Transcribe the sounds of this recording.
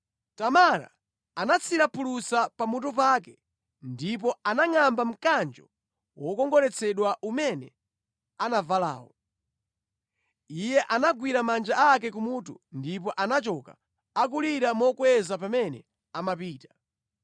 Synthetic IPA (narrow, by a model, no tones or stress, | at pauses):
tamaɾa̰ | anat͡sʰiɾapʰulusapamut̬up̬akɛ | ndip̬ɔanaŋambam̩kand͡ʒɔ | wɔkɔŋɡɔɾɛt͡sʰɛɗwaʔumɛnɛ | anavala̰ːwɔ | ijɛʔanaɡwiɾamand͡ʒaakɛkumutundip̬ɔʔanat͡ʃɔka | ak̬uliɾamɔkwɛzapamɛnɛ | amapiːtḁ